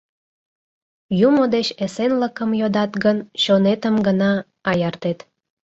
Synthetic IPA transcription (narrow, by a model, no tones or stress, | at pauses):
jumod̪et͡ɕesenləkəmjod̪ɑt̪ɡənɕonet̪əmɡənɑː | jɑrt̪et̪